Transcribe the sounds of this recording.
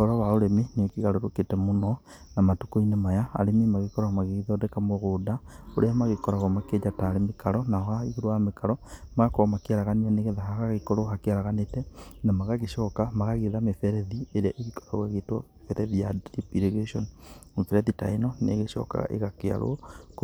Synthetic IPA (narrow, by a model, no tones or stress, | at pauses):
oɾawaoɾeminekiɣaɾoɾoketɛmonɔ | namatukoinemajaa̰ɾemimaɣekɔɾoamaɣeɣeðodekamoɣodao̰ɾeamaɣekɔɾaɣomaked͡ʒataːɾemekaɾɔnahaiɣoɾoamekaɾɔmaakomakeaɾaɣanianeɣeðahaɣaɣekoɾohakeaɾaɣanetɛnamaɣaɣeʃɔkamaɣaɣeðamefɛɾɛðieɾeaʔeɣikɔ̥ɾaɣweɣetwɔefɛɾɛðijadɾipiɾeɣɾeʃɔnmefɛɾɛðita̰inɔnḛɣeʃɔ̰ka̰ʔḛɣakea̰ɾo̰k